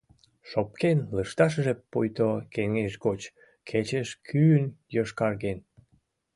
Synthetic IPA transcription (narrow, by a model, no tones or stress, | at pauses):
ʃop̚kenləʃt̪ɑʃ̬əʒepːojt̪okeŋeʃɡot͡ɕ | kʰet͡ɕəʃkʰyənjoʃkɑrɣen